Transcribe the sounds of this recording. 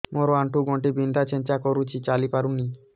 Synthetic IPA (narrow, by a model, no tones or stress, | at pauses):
moɾoaɳʈuɡɔɳʈibind̪ʱat͡ɕent͡ɕakoɾut͡ɕʰit͡ɕalipaɾunːi